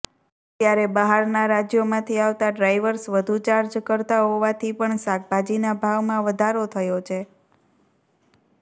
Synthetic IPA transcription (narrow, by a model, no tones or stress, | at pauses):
t̪jaɾebəɦaɾnaɾad͡ʒjomãt̪ʰiaʋt̪aɖɾajʋəɾsʋəd̪ʱut͡ʃaɾd͡ʒkəɾt̪aɦoʋat̪ʰipəɳsak̚bʱad͡ʒinabʱaʋmãʋəd̪ʱaɾot̪ʰəjot͡ʃʰe